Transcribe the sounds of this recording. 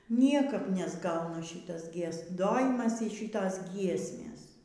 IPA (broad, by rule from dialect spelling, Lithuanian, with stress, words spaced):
ˈnʲiɛkɐp nʲɛzˈɡɐʊnɐ ˈʃʲɪtɐs ɡʲiɛˈs doːjɪmɐs iː ˈʃʲɪtoːs ˈɡʲiɛsʲmʲeːs